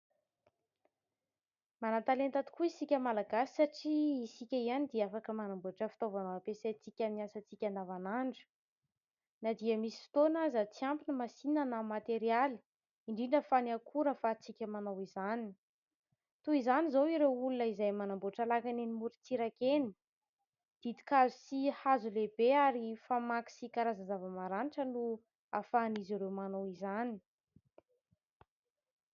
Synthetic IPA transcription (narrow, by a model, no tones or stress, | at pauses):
manat̪alent̪at̪i̥kuisikʲəmalaɡasi̥saʈ͡ʂiisikʲəianid̪iafakəmanamboʈ͡ʂəfi̥t̪ovanoapesajt͡sikʲəmiasət͡sikʲand̪avanaɳɖ͡ʐə̥ | nad̪iəmisi̥fi̥t̪onazət͡siampinəmasinənamat̪eɾiali̥ | iɳɖ͡ʐiɳɖ͡ʐəfanakʰuɾəfat͡sikʲəmanawizani | t̪uizanizowiɾewulunəizajmanamboʈ͡ʂalakanenimuɾit͡siɾakeni̥ | d̪̥id̪i̥kazusihazulebeaɾifamaki̥sikaɾazazavəmaɾaniʈ͡ʂənu | afaːniziɾewmanowizani̥